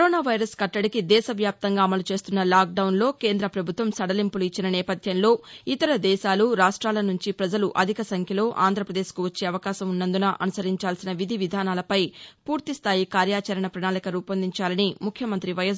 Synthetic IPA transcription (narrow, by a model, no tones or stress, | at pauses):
kɾoːnaːʋɐjɾɐskɐʈːɐɽikid̪ɛːʃɐʋjaːp̚t̪ɐŋɡaːɐmɐlut͡ʃe̞ːst̪unːɐlaːk̚ɖɐwnlo̞ːkeːnd̪ɾɐpɾɐbʱut̪ʋɐmsɐɽɐlimpuluit͡ʃːinɐnɛːpɐd̪ʱjɐnlo̞ːit̪ɐɾɐd̪ɛːʃaːluɾaːʂʈɾaːlɐnuɲt͡ʃipɾɐd͡ʒɐluʔɐd̪ʱikɐsɐŋkʰjɐlo̞ːʔaːnd̪ɾɐpɾɐd̪eːskuʋɐt͡ʃːe̞ːɐʋɐkaːʃɐmunːɐnd̪unaːʔɐnusɐɾiɲt͡ʃaːlsinɐʋid̪ʱiʋid̪ʱaːnaːlɐpɐjpuːɾt̪ist̪ʰaːjikaːɾjaːt͡ʃɐɾɐɳɐpɾɐnaːlikɐɾuːpɐnd̪iɲt͡ʃaːlɐnimukʰjɐmɐnt̪ɾiʋɐjɐs